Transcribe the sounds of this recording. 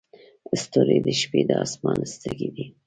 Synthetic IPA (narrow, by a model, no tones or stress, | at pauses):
əst̪oɾed̪əʃped̪əɑsmɑnəst̪əɡid̪i